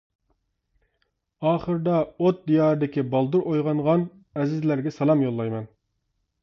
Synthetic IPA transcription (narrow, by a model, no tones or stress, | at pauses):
ɑːχəɾɨd̪ɑot̪̚d̪ijɑːɾɨd̪ɪkʲibɑlˠd̪uɾʔojʁɑnʁɑn | ɛzɪzlæɾɡʲɛsɑlˠɑmjolˠːɑjmɛn